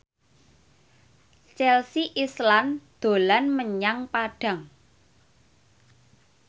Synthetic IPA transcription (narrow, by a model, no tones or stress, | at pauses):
t͡ʃɛlsiʔisland̪̥o̤lanməɲaŋpaɖ̥ä̤ŋ